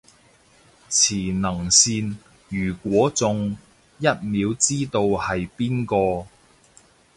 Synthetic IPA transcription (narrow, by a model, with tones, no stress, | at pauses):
t͡sʰiː˨˩nɐ˨˩ŋsiː˧n | jyː˨˩kʷɔː˨˥t͡sʊ˨ŋ | jɐ˥t̚miː˨˧wt͡siː˥t̪o˧whɐ˨jpiː˥nkɔː˧